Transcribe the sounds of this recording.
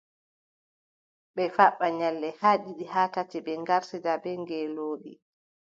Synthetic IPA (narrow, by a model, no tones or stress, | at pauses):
ɓɛfaɓːaɲɛlːɛhaːɗiɗihaːtatɛbɛŋɡaɾsɛdabɛŋɡɛloːɗḭ